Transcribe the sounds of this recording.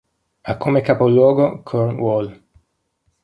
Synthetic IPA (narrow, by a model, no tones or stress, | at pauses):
akʰːomekapolwɔːɡokʰoɾnwol